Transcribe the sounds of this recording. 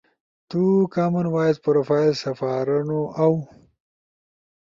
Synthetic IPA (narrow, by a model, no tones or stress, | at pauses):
t̪ukamanwaːjad̪̚pɾofaːjlsɐfaːɾanoʔaw